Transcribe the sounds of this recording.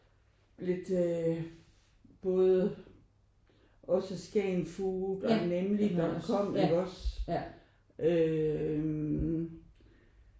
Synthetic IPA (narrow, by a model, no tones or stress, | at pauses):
le̝d̥ | b̥ɔ̽ːð̞ˠə | ɒ̽səsɡ̥ɛnfuːd̥ɒ̽nemlidɒkʰɒ̽m̰eɡ̥ɒ̽s | ʔø